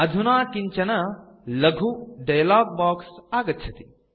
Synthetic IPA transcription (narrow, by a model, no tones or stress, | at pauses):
ɐd̪ʱunaːkiɲt͡ʃɐnɐ | lɐɡʱuɖɐjlaːɡ̚baːksaːɡɐt̪t͡ʃʰɐt̪i̥